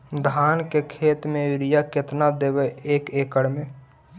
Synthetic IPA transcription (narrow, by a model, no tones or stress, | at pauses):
d̪ʱaːnkekʰeːt̪mẽʋɪɾijakɪt̪nad̪eːbeeːkeːkəɽmẽː